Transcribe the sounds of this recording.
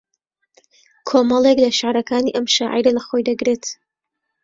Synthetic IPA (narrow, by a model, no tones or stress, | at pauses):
kʰomɐlˠeklɐʃaʕɾɐkʰaːniːʔɐmʃaːʕḭjɾɐlɐxoːjd̪ɐɡɾet̪